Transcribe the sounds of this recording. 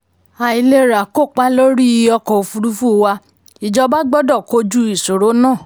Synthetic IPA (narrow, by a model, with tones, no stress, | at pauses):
a˨i˨le˧ɾa˨ko˦˨k͡pa˧lo˦ɾi˦i˧ɔ˧kɔ˨o˨fu˧ɾu˦fu˦˧wa˧ | i˨d͡ʒɔ˧ba˦ɡ͡bɔ˦dɔ˦˨ko˧˦d͡ʒu˦i˦˨so˨ɾo˨˦nãː˦˨